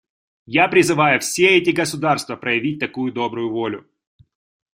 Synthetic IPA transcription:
japɾʲɪzɨvajʊfsʲeɛtʲɪɡəsʊd̪arst̪vəpɾəjɪvʲit̚ʲt̪ɐkujʊd̪o̞bɾʊjʊvo̞lʲʊ̰

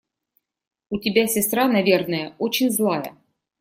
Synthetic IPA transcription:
utʲɪbʲasʲɪst̪ɾanɐvʲernɨjəot͡ɕɪnʲzlˠajə̰

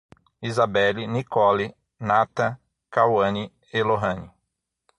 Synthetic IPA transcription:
izabɛlinikɔli | nat̪ɐ | kawɐ̃ni | eloɦɐ̃ni

